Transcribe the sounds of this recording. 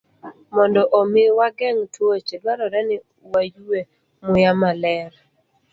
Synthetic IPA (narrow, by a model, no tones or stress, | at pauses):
mɔndɔʔomɪwaɡɛŋtwot͡ʃedwaɾɔɾɛnɪ | wajuwe | mʊjamalɛɾ